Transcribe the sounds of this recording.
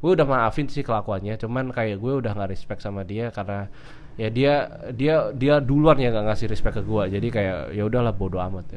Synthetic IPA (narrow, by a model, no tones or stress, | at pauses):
ɡuaudahmaːfɪnt̪sɪhkəlakuanɲat͡ʃumankajaʔɡuɛudahŋɡaʔɾɛspɛk̚samadiakarna | jadia | diadiaduluarjaŋɡaʔŋasɪhɾɛspɛkːəɡuad͡ʒadikaja̰ʔjaudahlahbodoa̰mat̪̚ja